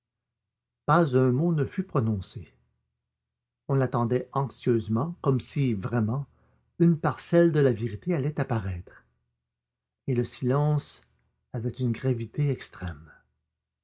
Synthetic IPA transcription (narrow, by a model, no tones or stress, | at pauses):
pazœ̃monəfypʁɔnɔ̃se | ɔ̃lat̪ɑ̃d̪ɛɑ̃ksjøzmɑ̃kɔmsivʁɛmɑ̃ | ynpaʁsɛld̪əlaveʁit̪ealɛt̪apaʁɛːt̪χ | eləsilɑ̃s | avɛt̪ynɡʁavit̪eɛkst̪χɛ̰m